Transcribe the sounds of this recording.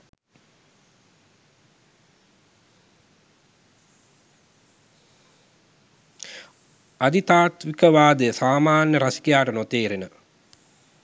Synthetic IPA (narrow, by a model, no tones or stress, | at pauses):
ad̪it̪aːt̪ʋikəʋaːd̪əsaːmaːnjəɾasi̥kejaːʈənot̪eːɾenə